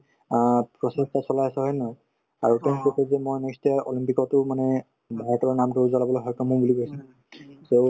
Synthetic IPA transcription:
pɹɔsestasɔlajasɛɦɔjnɔ | aɹutɛnkosɛzɛmojnɔstɛɔ̰limpikɔtʊmanɛ | bʱaɹɛtɔɹnamtʊzalabɔlojɦɔjkɔmubulikojsɛ | so

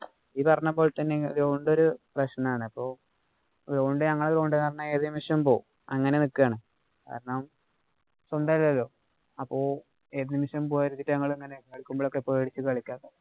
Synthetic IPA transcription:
iðipɐrɐɲːumbo̞ːɭt̪ɐnːeðoːɳɖoɾuprɐɕnɐmaːɳɨɐpːo̞ː | loɳɖɨɲɐŋːɐɭðɾoːɳɖɨkaːrɐnːɐme̞ːðɨnimuʂjɐmpo̞ː | ɐŋːɐne̞nikːjaːɳɨ | ka̰ːɾɐɳɐm | sɐnd̪aːɾilːɐlːo̞ː | ɐpːo̞ː | e̞ːðɨnimuʂjɐmpoːjaːiɾut̪ːitːɨɲɐŋːɐɭeŋːɐnekɐɭikʲːumboːɭokːeipːoːeɽit͡ɕːɨkɐːɭikʲːaːkːɐ

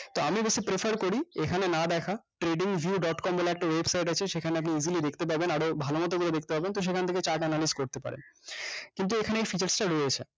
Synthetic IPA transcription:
t̪oamibeʃipɾefʰaɾkoɾiekʰanenad̪ɛkʰaʈɾeɖiŋvʱjuɖɔʈkɔmbɔleɛk̚ʈawebsajʈ̬at͡ɕʰeʃekʰaneap̬niizilid̪ekʰt̪ep̬abenaɽobʱalomɔt̪̬oɡulod̪ek̚ʰt̪epabent̪oʃ̬ekʰant̪ʰeket͡ɕakɛnalizkoɾt̪epa̰ɾḛnkint̪uekʰaneejfit͡ɕaɾsʈaɾoet͡ɕʰe

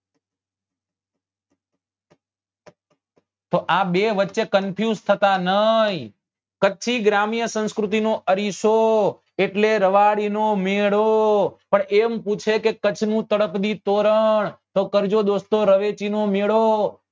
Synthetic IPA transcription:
t̪oʔabeʋətːʃekənpʰjuzt̪ʰət̪anəj | kət͡ʃʰiɡɾamjəsə̃nskɾut̪inoʔəɾiʃo | eʈleɾəʋaɽinomeɭopəɳemput͡ʃʰekekət͡ʃʰnũt̪əɽəpd̪it̪oɾəɳt̪okəɾd͡ʒod̪ost̪oɾəʋet͡ʃinomeɭo

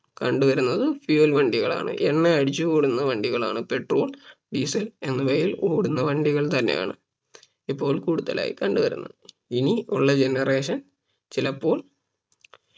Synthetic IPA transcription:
kɐɳɖuʋɐɾunːɐðɨfjuɐlʋɐɳɖiɣɐɭa̰ːɳɨ̰ʔenːeɐɽit͡ɕːɨkoːɽunːɐʋɐɳɖiɣɐɭa̰ːɳɨpe̞ʈro̞̰ːl | ɖiːsɐle̞nːɐʋɐjiloːɽunːɐʋɐɳɖiɣɐɭt̪ɐnːe̞̰ja̰ːɳɨ | ipːo̞ːɭkuːɽuðɐ̰lʔa̰ːjḭkɐɳɖuʋɐɾṵnːɐ̰ð | iniuɭːɐd͡ʑe̞nɐre̞ːʂɐn | t͡ɕilɐpːo̞ːɭ

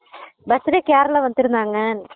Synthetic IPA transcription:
bɐst̪iɾekaːɾɐɭɐʋɐnd̪iɾunːɐŋːan

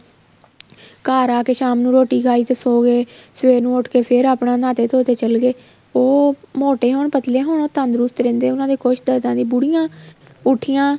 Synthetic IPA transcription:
kaːɾaːkeːʃaːmnũːɾoːʈiːɡaːiːt̪eːsoːɡeːsʋeːɾnũːʊʈʰkeːpʰɪɾaːpɽãːnãːt̪eːt̪ʰoːt̪eːt͡ʃəlɡeː | oːmoːʈeːɦoːɳpət̪leːɦoːɳoːt̪ənd̪ɾʊst̪ɾẽːnd̪eːʊnãːd̪eːkoʃd̪əɾd̪ãːd̪iːbʊɽijãː | ʊʈʰijãː

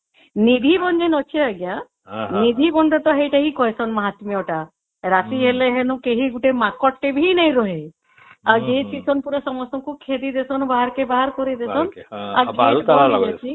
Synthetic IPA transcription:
nid̪ʱibɔnd͡ʒenɔt͡ʃʰiaɡja | nid̪ʱibɔɳɖɔt̪ɔɦejʈaɦikɔɦesɔnmɔɦat̪mijɔʈa | ɾat̪iɦeleɦenukeɦiɡuʈemakɔʈːebʱinaj̃ɾɔɦe | ad͡ʒet͡ʃʰisʰɔnpuɾesɔmɔsɔŋkukʰed̪id̪esɔnbaɦaɾkebaɦaɾkɔɾid̪esɔnaɡeaaat͡ʃʰi

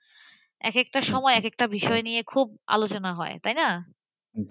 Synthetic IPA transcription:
ɛ̰kek̚ʈaʃɔmɔeɛkek̚ʈabiʃɔenijekʰub̚a̰lot͡ɕonaɦɔḛt̪ajna

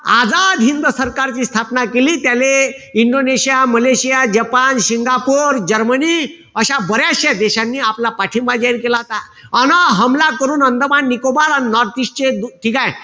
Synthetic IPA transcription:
ad͡zad̪ɦind̪əsəɾkaɾt͡ɕiːst̪ʰapnakeliːt̪jale | iɳɖoneɕijaməleɕijad͡ʑəpanɕiŋɡapoɾd͡ʑəɾməniː | əɕabəɾjaɕjad̪eɕanːiːaplapaʈʰimbad͡ʑaiɾkelaɦot̪a | ənəɦəmlakəɾuːnənd̪əbanːikobaɾaninɔɾt̪iɕt͡ɕed̪ʈʰikãj

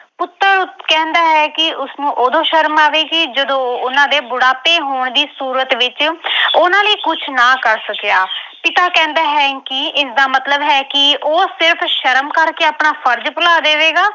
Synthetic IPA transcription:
pʊt̪ːəɾkɛ̃ːnd̪aːɦɛːkɪʊsnũːʔoːd̪õːʃəɾmaːʋeːɡid͡ʒəd̪õːʊnãːd̪eːbʊɽaːpeːɦoːɳd̪iːsuːɾət̪ʋɪt͡ʃʊnãːləiːkʊt͡ʃʰnãːkəɾsəkjaːpɪt̪aːkɛ̃ːnd̪aːɦɛːkɪɪsd̪aːmət̪ləbɦɛːkɪʔoːsɪɾpʰʃəɾəmkəɾkeːaːpɳaːpʰəɾd͡ʒpʊlaːd̪eːʋeːɡaː

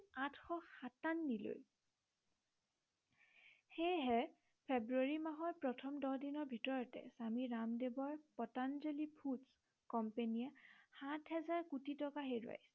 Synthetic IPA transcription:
atʰxɔxatanːilo̰j | xejɦɛ | pʰebɹuaɹimaɦɔɹpɹɔtʰɔmdɔdinɔɹbʱitɔɹɔtɛ̰samiɹamdebɔɹpɔtanzelipʰuts | kɔmpeniahatʰɦɛzaɹkutʰitɔkaɦejda̰js

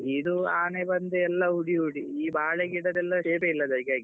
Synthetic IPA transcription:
id̪uaːnebɐnd̪eɛlːɐɦuɽiɦuɽiiːbʱaːɭeɡiʈɐd̪ɛlːɐʂeːpeilːɐd̪ɐɾɡaːɡi

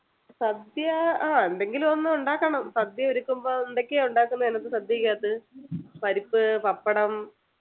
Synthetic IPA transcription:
sɐd̪jɐaːend̪e̞ŋɡilumo̞nːɨuɳɖaːkːɐɳɐmsɐd̪jɐoɾukʲːumbo̞ːend̪o̞kʲːeuɳɖaːkːunːɐenɐt̪ːɨsɐd̪jɐikʲːaːt̪ːɨpɐɾipːɨpɐpːɐɽɐm

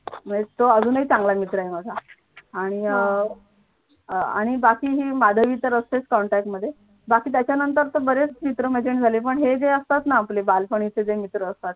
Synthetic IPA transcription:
m̤əet̪oəd͡zʱuːnit͡sãŋɡlamit̪ɾəɦemad͡zʱa | aɽ̃i | a̰ɽ̃ibakiːɦiːmad̪ʱəʋiːt̪əɾəst̪et͡skɔɳʈæk̚ʈməd̪ʱːje | bakiːt̪̬jat͡ɕjanənt̪̬əɾt̪obəɾet͡st͡ɕit̪ɾəmed͡ʑeɳd͡zʱalep̬əɳɦed͡zeəst̪at̪naaplebalfəɳ̃it͡sed͡zemit̪ɾəːst̪at̪̚

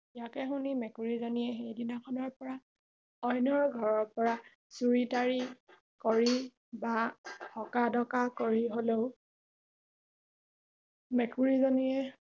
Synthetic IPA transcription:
ijakɛxunimɛkuɹizonijɛxejdinakʰɔnɔɹpɔɹa | ɔjnɔɹɡʱɔɹɔɹpɔɹa | suɹitaɹi | koɹi | bahɔkadɔkakoɹiɦoleʊ | mɛkuɹizonijɛ

